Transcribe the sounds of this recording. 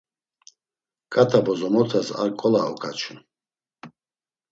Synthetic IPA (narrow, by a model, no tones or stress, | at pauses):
kʼat̪ʰabɔzɔmɔt̪ʰasa̰ɾkʼɔlaɔ̰kʼʰat͡ʃʰun